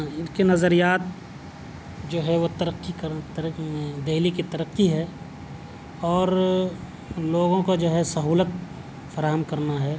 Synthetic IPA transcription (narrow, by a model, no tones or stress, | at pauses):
ɪnkenɐzəɾijaːt̪̚ | d͡ʒoːɦɛʋot̪ɐɾəqːikɐɾt̪ɾd̪eɦlikit̪ɐɾəqːiɦɛ | ɔːɾ | loːɡõkod͡ʒoːɦɛsɐɦuːlət̪̚ | fɐɾaːɦəmkɐɾnaɦɛː